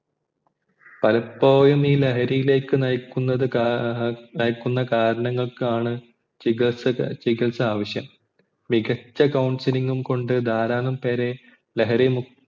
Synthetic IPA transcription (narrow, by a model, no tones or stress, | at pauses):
pɐlɐpːo̞ːjumiːleɦɐɾijile̞ːkːɨnɐjkːunːɐðɨ | nɐjkːunːɐkaːɾɐɳɐŋːɐɭkaːɳɨ | st͡ɕiɣɐlsaːʋɐɕjɐm | miɡɐt͡ɕːɐkɐwɳsiliŋɡumko̞ɳɖɨd̪ʱaːɾaːnɐmpeːɾe̞ | leɦɐɾimu